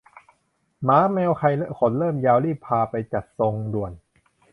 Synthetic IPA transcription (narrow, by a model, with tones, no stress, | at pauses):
maː˨˦˥mɛː˧wkʰa˧jlɛ˦˥kʰo˩˦nlɤː˥˩mjaː˧wliː˥˩pʰaː˧pa˧jt͡ɕa˨˩t̪̚so˧ŋdu˨˩ən